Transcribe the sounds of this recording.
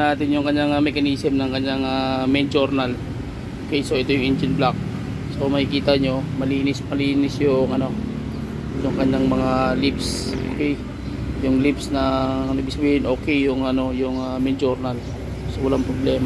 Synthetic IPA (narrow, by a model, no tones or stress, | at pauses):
aːt̪ɪnjʊŋkɐɲaŋamɛkɐniːsɛmnɐŋkɐɲːaŋamɛnd͡ʒoɾnal | okɛjsoʔɪt̪ojʊŋʔɛnd͡ʒɪnblak̚ | somɐkɪkiːt̪aɲo̞mɐliːnɪsmɐliːnɪsjʊŋʔɐno̞ | jʊŋkɐɲːaŋmɐŋalipso̰ːkɛj | jʊŋlipsnɐŋnɐbɪɡsɐbiːhɪnʔo̞ːkɛjjʊŋɐno̞jʊŋamɛnd͡ʒoɾnal | sowɐlaŋpɾoblɛːma